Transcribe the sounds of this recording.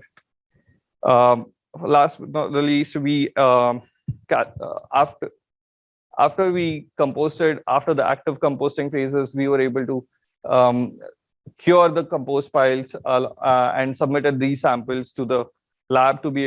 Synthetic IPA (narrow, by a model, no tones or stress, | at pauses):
laːsnɔəliːsʈʋiː | kaf | a̰ːfʈəɾʋiːkə̃mpoːsʈeɖaːfʈəɾd̪əæ̰k̚ʈɪʋkə̃mpoːsʈɪ̃ŋfeːzɪzʋiːʋəɾeːbəlʈu | kʰjɔːɾd̪əkə̃mpoːsʈpaɪlzəɛ̰̃ɳɖsəbmɪʈeɖ̚d̪iːzsæ̃mpəlzʈud̪ə | læb̚ʈubi